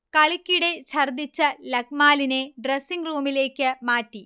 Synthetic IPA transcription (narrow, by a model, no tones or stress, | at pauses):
kɐɭikʲːiɽe̞t͡ɕʰɐrd̪it͡ɕːɐlɐk̚maːlineɖresːiŋɡruːmile̞ːkːɨmaːtːi